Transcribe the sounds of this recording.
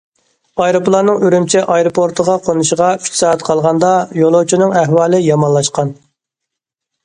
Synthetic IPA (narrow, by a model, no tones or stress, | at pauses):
ɑjɾoplˠɑnɨŋøɾymt͡ʃʰɛʔɑjɾopʰoɾt̪ʰəʁɑqʰonuʃəʁɑ̥ʃʰsɑːɛt̪qʰɑlˠʁɑnd̪ɑjolˠowt͡ʃʰinɨŋæɦwɑːlˠɨjɑmɑnlˠɑʃqɑn